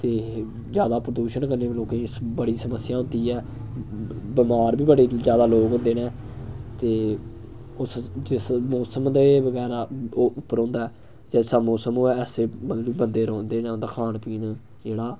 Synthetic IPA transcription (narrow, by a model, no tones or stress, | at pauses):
t̪eː | zjaːd̪aːpɾəd̪uːʃənkəɾneːloːkẽːbəɽiːsəməsjaːɦʊ̃nd̪iːɛː | bəmaːɾbiːbəɽeːzjaːd̪aːloːkɦʊ̃nd̪eːnɛ̃ːt̪eː | ʊsd͡ʒɪsmoːsəmd̪ebəɡɛːɾaːʊpːəɾɦõːnd̪aːɛː | d͡ʒɛːsaːmɔːsəmoːɛːseːbəiːbənd̪eːɾɔ̃ːnd̪eːnẽːnd̪aːkʰaːnpiːn | d͡ʒeːɽaː